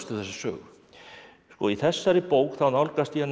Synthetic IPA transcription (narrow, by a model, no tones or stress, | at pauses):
st̪ʏ̥θɛsḁsœ̰ːɣ | skɔiθɛsːaɾɪpowkθawnawlkast̪ian